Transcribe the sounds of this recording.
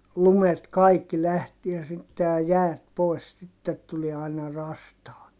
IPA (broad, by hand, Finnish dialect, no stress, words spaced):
lumet kɑikːi læhtiæ sitːe jɑ jæːt poi̯s sitːet tulie ɑinɑ rɑstɑːt